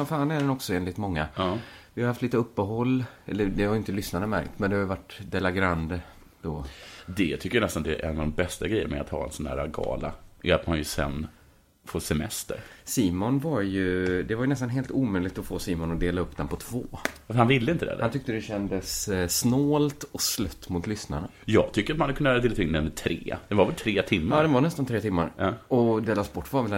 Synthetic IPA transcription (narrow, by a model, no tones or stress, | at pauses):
ɔnfaːnɛɖɛnɔksɔeːnlɪt̪mɔŋːaɑvɪhaɾjhaft̪liːt̪əɵpːəɦɔlːɛlːəd̪ɛhaɾjʏɪnt̪əlʏsnaɾəmæ̰ɾkt̪mɛnd̪ɛhajəvaʈːd̪ɛlaɡɾand̪ | d̪̥od̪ɛt̪ʰʏkːəjanɛst̪and̪ɛʔɛ̰navd̪ɔmbɛst̪aɡɾɛjːə̰ɾmɛa̰t̪hɑ̰ːɛ̰nsɔnæ̰ːɾaɡɑ̰ːla̰ʔɛat̪manjɵsɛ̰nː | foːʂɛmɛ̰st̪ə̰ɾsiːmʊnvaɾjɵd̪ɛvaɾjɵnɛs̬t̪anɦeːlt̪uːmœjlɪɡ̚t̪ɔfoːsiːmɔnɔd̪eːlaɵpːd̪ɛnpʰɔt̪ʰv̥oːafəɾhanvɪlːəɪnt̪əd̪ɛ̰hant̪ʏk̚t̪əd̪ɛɕɛnd̪əsnoːlt̪ɔslœt̪ːmʊt̪lʏsna̰ɳa | jɑ̰ːɡ̚t̪ʰʏkːəɾat̪manhad̪kʰɵnːad̪elt̪ʰaɪnd̪ɛnɪt̪ʰɾeːd̪̥ɛnvavɛlt̪ʰɾeːt̪ʰɪmːɑːd̪ɛnvanɛst̪ant̪ʰɾeːt̪ʰɪmːaɾɑɔd̪ɛlɑːsbɔʈːvaɾvɛl